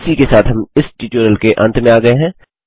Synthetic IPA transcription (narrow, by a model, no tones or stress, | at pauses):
sikesaːt̪ʰɦɐmɪsʈiːt͡ʃəɾəlkeʔɐ̃nt̪mẽaːɡɐeɦɛ̃ː